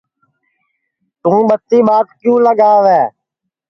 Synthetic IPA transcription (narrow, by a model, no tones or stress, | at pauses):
t̪ũːɓət̪ːiːɓaːt̪kjũːləɡaːʋɛː